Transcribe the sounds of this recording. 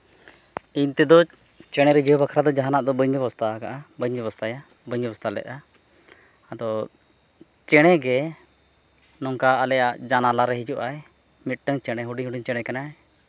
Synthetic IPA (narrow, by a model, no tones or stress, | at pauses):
int̪ɛd̪ɔ | t͡ʃɛɽ̃ɛɾɛd͡ʒʱibakʰɾad̪ɔd͡ʒaɦanaʔd̪ɔbəɲbɛbɔst̪akaʔabəɲbɛβɔst̪aja | bəɲbɛbɔst̪alɛ̰ʔ̪a | ad̪ɔ | t͡ʃɛɽ̃ɛɡɛ | nɔŋkaːlɛjaʔd͡ʒanalaɾɛɦid͡ʒuʔaj | mit̪̚ˀʈəŋt͡ʃɛɽ̃ɛɦuɖiɲɦuɖiɲt͡ʃɛɽ̃ɛkanaɛ